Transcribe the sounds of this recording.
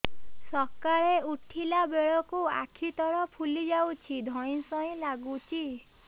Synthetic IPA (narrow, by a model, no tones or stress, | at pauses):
sɔkaɭeuʈʰilabeɭɔkua̰kʰit̪ɔɾɔpʰulid͡ʒawt͡ʃʰid̪ʱɔj̃sɔĩlaɡut͡ʃʰi